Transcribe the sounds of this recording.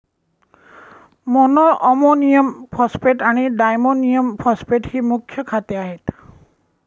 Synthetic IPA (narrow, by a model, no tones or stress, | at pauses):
mɔnɔʔɔmonijɔmpʰɔspeʈaɽ̃iɖajmonijɔmpʰɔspeʈhimukʰːjɔkʰat̪ɔaɦet̪